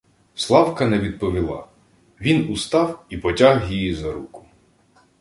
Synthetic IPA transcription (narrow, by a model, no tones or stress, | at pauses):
slˠɑwkɐnɛʋʲid̪̚pɔʋʲilˠɑ̰ | ʋʲinust̪ɑwipɔtʲaɦjijizɐɾukʊ̥